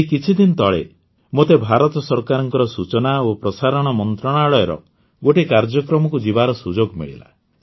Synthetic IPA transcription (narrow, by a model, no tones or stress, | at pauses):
kit͡ʃʰid̪int̪ɔɭḛ | mot̪ebʱaɾɔt̪ɔsɔɾkaɾɔŋkɔɾɔsut͡ʃɔnaopɾɔsaɾɔɽ̃ɔmɔnt̪ɾɔɽ̃aɭɔjɔɾɔ̰ | ɡoʈekaɾd͡ʒɔkɾɔmɔkud͡ʒibaɾɔsud͡ʒoɡmḭɭḭla̰